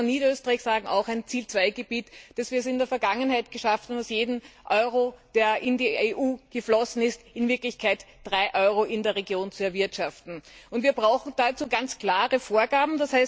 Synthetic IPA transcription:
niːdɐøːstəʁaɪçsaːɡŋ̩ʔa̰ʊxæɪnt͡siːlt͡sv̥aɪɡ̥əb̥iːtd̥ɛsv̥iːsɪndeːɐfɛɐɡaŋənhaɪtɡ̥əʃaftnʊsjeːdn̩ʔɔʏʁod̥eːɐʔɪndiːeʔuːɡ̥əflɔsn̩ɪstɪnvɪɐklɪçkʰaɪtd̥ʁaɪʔɔʏʁoʔɪndeːɐʁeɡjoːnt͡suɛɐvɪɐtʃaftn̩ʊntviːɐbʁaʊxn̩d̥at͡suːɡant͡skl̥aːʁəfoːɐɡaːbm̩d̥ashaɪs

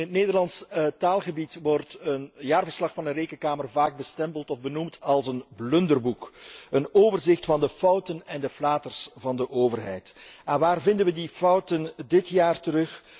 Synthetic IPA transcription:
ɪnɦətneːdərlɑnstaːlˠɣəbitʋɔrtənjaːrvərslɑxfɑnənreːkənkaːmərvaːɡ̚bəstɛmpəlˠtɔvbənumtɑlˠsənblɵndərbukənoːvərzɪxtfɑndəfʌwtənɛndəflaːtərsvɑndəʔoːvərɦɛ̰jtanʋaːrvɪndənʋədifʌwtəndɪtjaːrtəɾɵx

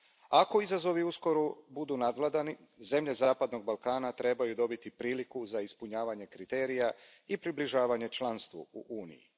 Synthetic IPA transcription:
ako̞izazo̞ʋiusko̞ɾubud̪uːnad̪ʋlˠad̪ani | ze̞mʎe̞zaːpad̪no̞ɡ̚balˠkaːnat̪ɾe̞bajud̪o̞bit̪ipɾiːlikuzaispuɲaːʋaɲe̞kɾit̪e̞ːɾija | ipɾibliʒaːʋaɲe̞t͡ʃlˠanst̪ʋṵuʔuːnḭjḭ

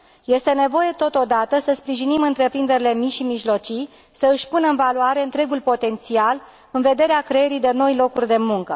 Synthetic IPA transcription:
je̞st̪e̞ne̞vo̞je̞t̪o̞t̪o̞d̪at̪əsəspɾiʒinimɨnt̪ɾe̞pɾind̪e̞ɾilemiʃimiʒlo̞t͡ʃi | səɨʃʲpunəɨnvaluaɾe̞ɨnt̪ɾe̞ɡulpo̞t̪e̞nt̪sial | ɨnve̞d̪e̞ɾeakɾe̞eɾid̪e̞no̞jlo̞kurʲd̪e̞muŋkə

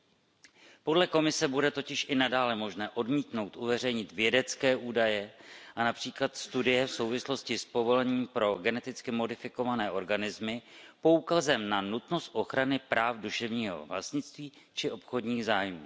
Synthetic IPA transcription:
podlɛko̞mɪsɛbudɛt̪o̞cɪʃʔɪnadaːlɛmo̞ʒnɛːʔo̞dmiːt̪no̞wt̪ʔuvɛr̝ɛjɲɪt̪vjɛdɛt͡skɛːʔuːdajɛʔanapr̝̥iːklat̪st̪udɪjɛfso̞wvɪslo̞scɪspo̞vo̞lɛɲiːmpɾo̞ɡɛnɛt̪ɪt͡skɪmo̞dɪfɪko̞vanɛːʔo̞ɾɡanɪzmɪpo̞uːkazɛmnanut̪no̞st̪̚ʔo̞xɾanɪpɾaːfduʃɛvɲiːɦo̰vla̰st̪ɲɪt͡st̪viː | t͡ʃɪʔo̞pxo̞dɲiːɣzaːjmṵː

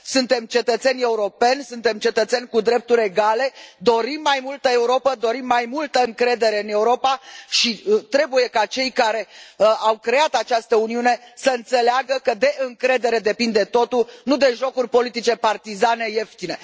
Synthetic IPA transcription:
sunt̪e̞mt͡ʃe̞t̪ət̪se̞nʲe̞uɾo̞pe̞nʲsunt̪e̞mt͡ʃe̞t̪ət̪se̞nʲkud̪ɾe̞p̚t̪uɾʲe̞ɡale̞d̪o̞ɾimːajmult̪əe̞uɾo̞pəd̪o̞ɾimːajmult̪əɨŋkɾe̞d̪e̞ɾe̞ɨne̞uɾo̞paʃit̪ɾe̞buje̞kat͡ʃe̞jkaɾe̞awkɾe̞at̪at͡ʃast̪əuniune̞səɨnt̪se̞leaɡəkəd̪e̞ʔɨŋkɾe̞d̪e̞ɾe̞d̪e̞pind̪e̞t̪o̞t̪unud̪e̞ʒo̞kurʲpo̞lit̪it͡ʃe̞part̪izane̞jeft̪ine̞

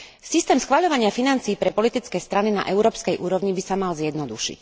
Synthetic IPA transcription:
sist̪ɛːmsxʋaʎɔʋaɲɪafinant͡siːpɾɛpɔlit̪it͡skɛːst̪ɾanina̰ʔɛʊɾɔːpskɛjʔuːɾɔʊɲibisamalzjɛd̪nɔd̪uʃḭc

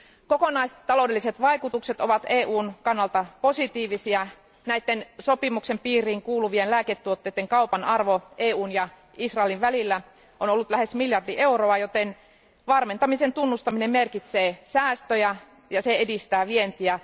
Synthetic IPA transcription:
kokonɑist̪ːɑlo̞wdelːiset̪ʋɑjkut̪ukset̪oʋɑt̪eːʔuːnkɑnːɑlt̪ɑpo̞sit̪iːʋisiɑ | næit̪ːenso̞pimukse̞mpiːriːŋkuːluʋienlæːket̪ːuot̪ːejt̪ːeŋkɑupɑnɑrʋoʔeːuːnjɑ | isrɑeliʋʋælilːæ | ʔonolːut̪læhe̞smiljɑrdiʔe̞uroɑjot̪en | ʋɑrme̞nt̪ɑmisent̪unːust̪ɑminemmerkit̪seːsæːst̪øjæ | jɑseedist̪æːʋient̪iæ

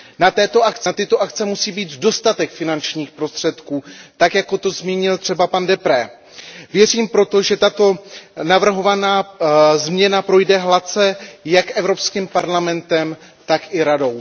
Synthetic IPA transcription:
nat̪ɛːt̪o̞ʔakt͡st̪ɪt̪oʔakt͡sɛmusiːbiːt̪do̞st̪at̪ɛkfɪnant͡ʃɲiːxpɾo̞st̪r̝̥ɛt̪kuːt̪akjako̞t̪o̞zmiːɲɪlt̪r̥ɛbapandɛpɾɛː | vjɛriːmpɾo̞t̪o̞ʒɛt̪at̪o̞navr̩ɦo̞vanaːzmɲɛnapɾo̞jdɛɦlat͡sɛjakʔɛvɾo̞pskiːmpaɾlamɛnt̪ɛm | t̪akɪɾado̞w

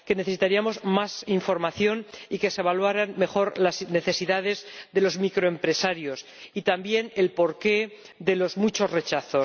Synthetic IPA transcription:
ke̞neθesit̪aɾiamo̞zmasiɱfo̞ɾmaθjo̞nike̞se̞β̞alwaɾanme̞xo̞ɾlasne̞θe̞siðaðe̞zðe̞lo̞zmikɾo̞e̞mpɾe̞saɾjo̞s | it̪ambje̞ne̞lpo̞ɾke̞ | ðe̞lo̞zmut͡ʃo̞zre̞t͡ʃaθo̞

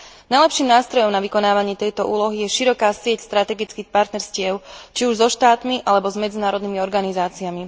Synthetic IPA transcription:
najlɛpʃiːmnaːst̪ɾɔjɔmnaʋikɔnaːʋaɲɪɛt̪ɛjt̪ɔʔuːlɔɦijɛʃiɾɔkaːsɪɛcst̪ɾat̪ɛɡit͡skiːxpaɾt̪nɛɾscɪɛʊt͡ʃiuʒzɔʃt̪aːt̪miʔalɛbɔzmɛd͡zinaːɾɔd̪nimiɔɾɡanizaːt͡siami

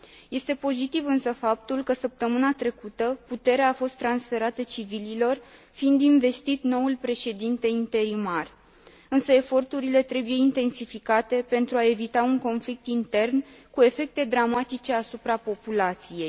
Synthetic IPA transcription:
je̞st̪e̞po̞zit̪ivɨnsəfap̚t̪ulkəsəp̚t̪əmɨnat̪ɾe̞kut̪əput̪e̞ɾeaːfo̞st̪ːɾansfe̞ɾat̪ət͡ʃivililo̞rfiind̪inve̞st̪it̪no̞ulpɾe̞ʃe̞d̪int̪e̞int̪e̞ɾimar | ɨnsəe̞fo̞rt̪uɾile̞t̪ɾe̞buje̞int̪e̞nsifikat̪e̞pe̞nt̪ɾuae̞vit̪auŋko̞nflik̚t̪int̪e̞rnkue̞fe̞k̚t̪e̞d̪ɾamat̪it͡ʃe̞asupɾapo̞pulat̪sije̞j

